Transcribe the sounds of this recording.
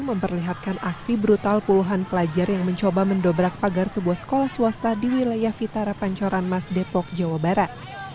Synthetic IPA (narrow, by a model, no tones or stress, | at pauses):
nməmpərliɦat̪̚kanaksibɾut̪alpuluɦanpəlad͡ʒarjaŋməɲt͡ʃobaməndobɾak̚paɡarsəbuahsə̥kolahsuast̪adiwilajahfit̪aɾapaɲt͡ʃoɾanmasdɛpɔk̚d͡ʒawabaɾat̪̚